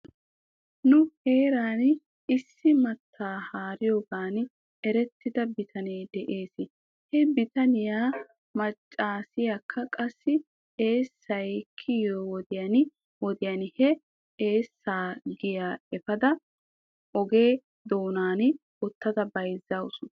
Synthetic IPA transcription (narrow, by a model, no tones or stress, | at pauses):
nʊhe̞ːɾaːn | ɪsːɪmɐt̪ʰːaːhaːɾɪjoːɡaːn | ɛɾɛt̪ːɪd̪ɐbɪt̪ʰɐneːd̪ɛʔe̞ːsɪ | hɛbɪt̪ɐnɪjaː | mɐt͡ʃʼːaːsɪjakʰːɐkʼɐsːɪ | e̞ːsːɐjkʰːɪjoːwɔd̪ɪjɐnɪ | wɔd̪ɪjɐnhɛ | eːsːaːɡɪjaːɛfɐd̪ɐ | ʔɔɡe̞ː | d̪oːnaːnɪ | ɔt̪ːɐd̪ɐbɐjzːawʊsʊ